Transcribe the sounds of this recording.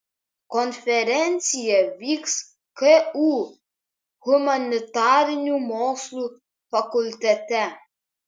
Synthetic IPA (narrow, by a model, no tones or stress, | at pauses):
kɔnfeɾɛnsiaviks | keu | humanit̪aɾnʲumɔslu | fakult̪ɛt̪ɛ